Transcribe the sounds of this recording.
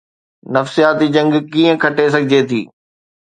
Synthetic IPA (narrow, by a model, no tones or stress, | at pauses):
nɐfsijaːt̪id͡ʑɐ̃ŋɡkiːə̃kʰɐʈes̬ɐɡʱɪd͡ʑet̪ʰḭː